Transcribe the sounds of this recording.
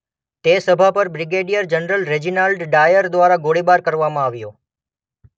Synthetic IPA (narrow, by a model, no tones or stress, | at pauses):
t̪esəbʱapəɾbɾiɡeɖijəɾd͡ʒənɾəlɾed͡ʒinalɖɖajəɾd̪ʋaɾaɡoɽibaɾkəɾʋamãaʋjo